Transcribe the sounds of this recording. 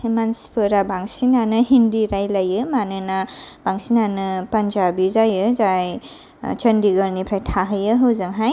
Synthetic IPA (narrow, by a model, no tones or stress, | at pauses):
himanspʰɯɾabaŋsinanɯɦinɾiɾajlajɯmanɯnab̥aŋsinanɯpanzabizajɯzaj | t͡ʃəndiɡəɾnipʰɾajtʰaɦɯjɯɦɯwzɯŋɦaj